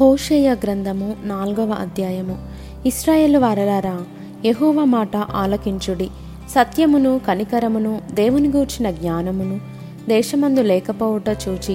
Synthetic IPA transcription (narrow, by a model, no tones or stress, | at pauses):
hoːʃɛːjaːɡɾɐnd̪ʱɐmunaːlɡɐʋɐʔɐ̰d̪ʱjaːjɐmu | iʃɾaːje̞ːluʋaːɾɐlaːɾaː | jeɦɔːʋaːmaːʈɐʔaːlokiɲt͡ʃuɽi | sɐt̪jɐmunukɐnikɐɾɐmunud̪eːʋuniɡuːɾt͡ʃinɐɡɲaːnɐmunu | d̪ɛːʃɐmɐnd̪ulɛːkɐpoːʋɐʈɐt͡ʃuːt͡ʃi